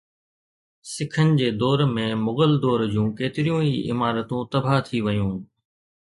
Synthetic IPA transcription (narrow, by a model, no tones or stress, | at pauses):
sɪkʰənɪ̆d͡ʑeːd̪ɔːɾmẽmʊɣəld̪ɔːɾd͡ʑũːkeːt̪ɪɾijũiʔɪ̰maːɾət̪ũt̪ɐbʱat̪ʰiʋɐjũː